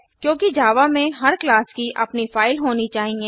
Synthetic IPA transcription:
kjõːkid͡ʒaːʋamẽɦɐɾklaːskiʔɐpnifaːɪlɦoːnit͡ʃaːɦieː

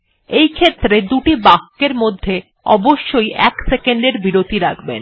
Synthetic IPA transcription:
ejkʰet̪ːɾed̪uʈibakːeɾmod̪ʱːe | ɔ̰boʃːojʔɛksekeɳɖeɾbiɾot̪iɾakʰbḛn

